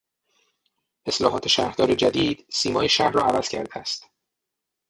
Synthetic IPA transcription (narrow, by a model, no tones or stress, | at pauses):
ʔe̞slɒ̰ːɦɒːt̪ʰe̞ʃæ̰ːɾhd̪ɒːɾed͡ʒæd̪iːd̪̥siːmɒːjeʃæhrɒ̰ːævæz̥cʰæ̰ɾd̪eæst̪